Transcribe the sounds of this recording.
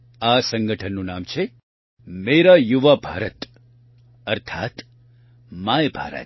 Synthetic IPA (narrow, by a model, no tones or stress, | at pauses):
asə̃ŋɡəʈʰənːũnaːmt͡ʃʰe | meɾajuʋabʱa̰ːɾət̪ | əɾt̪ʰaːt̪ | majbʱa̰ːɾə̰t̪